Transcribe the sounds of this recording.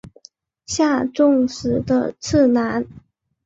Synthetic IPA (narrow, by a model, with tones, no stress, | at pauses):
ɕja˥˧ʈ͡ʂʊ˥˧ŋʂɻ̩˨˥d̪ə̰˦˧t͡s̩ʰ˥˩na˧˥n